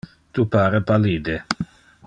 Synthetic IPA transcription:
t̪upaːɾepaliːd̪e

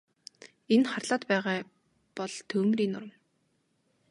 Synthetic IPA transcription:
enχarɮaːt̪pæːʁaː | pɔɮt̪ʰɵːmriːnʊɾə̆m

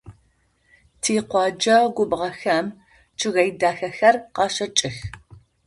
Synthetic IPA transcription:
tʰiːqʷɑːd͡ʒɐɡʷʊbʁɐxɐm | t͡ʃʰʼɨɣɐjdaːxɐxɐrqɑːʃɐt͡ʃʼɪx

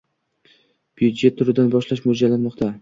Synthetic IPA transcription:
b̥jud̪d͡ʒe̞t̪ʰːʊɾɪd̪anbɒʃlaʃmʊd͡ʒalanmɒqt̪ʰa

